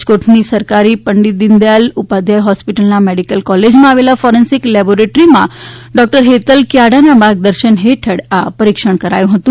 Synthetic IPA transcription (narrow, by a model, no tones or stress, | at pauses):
koʈʰnisəɾkaɾipəɳɖit̪̚d̪ind̪jalupad̪ʱjajɦɔspiʈəlnameɽikəlkɔled͡ʒmãaʋelafɔɾensiklɛboɾeʈɾimã̰ɖɔk̚ʈəɾɦet̪əlkjaɽanabaɡ̚d̪əɾʃənɦeʈʰəɽapəɾikʃəɳ̃kəɾa̰jũɦət̪ũ